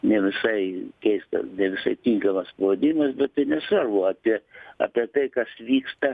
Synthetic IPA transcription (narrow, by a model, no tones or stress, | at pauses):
nʲɛʋʲɪsɐɪkʲɛɪst̪ɐ̰nʲɛʋʲɪsɐɪt̪ʲiŋkɐmɐspɐʋɐd̪ʲɪnʲɪmɐsbʲɛt̪̚t̪ɐɪnʲɛsʋɐrboːɐpʲiɛɐ̰ːpʲiɛt̪ɐɪkɐsʋʲiːkst̪ɐ